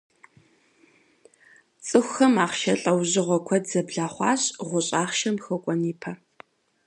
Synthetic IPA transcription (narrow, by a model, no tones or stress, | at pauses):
t͡sʼɨxʷxɐmaːχʃɐɬʼɐwʑɪʁʷɔkʷʰɐdzɐbɮaːχʷɑːɕʁʷʊɕʼaːχʃɐmxɐkʷʼɔniːpʰɐ